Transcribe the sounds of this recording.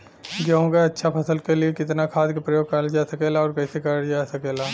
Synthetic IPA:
ɡeɦõɡaɐtːʃʰapʰɐsəlkeliekɪt̪nakʰaːd̪kapɾɐjoːɡ̚kaɾd͡ʒaːsɐkeːlaɔːɾkɛːsekɐɾɽd͡ʒaːsɐkeːlaː

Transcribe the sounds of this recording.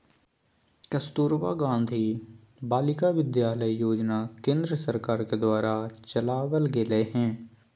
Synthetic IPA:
kɐst̪uːɾʋa̰ɡãːnd̪ʱi | baːlɪkaʋɪd̪jaːləijoːd͡ʒnakẽːnd̪ɾəsəɾkaːɾked̪waːɾat͡ʃɐlaːʋəlɡeleɦɛ̃ː

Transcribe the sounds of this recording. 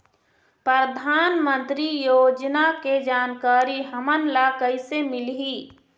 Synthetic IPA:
pɾəɾəd̪ʱaːnmə̃nt̪ɾijoːd͡ʒnaked͡ʒaːnkaːɾiɦəmənlakəisemɪlɦiː

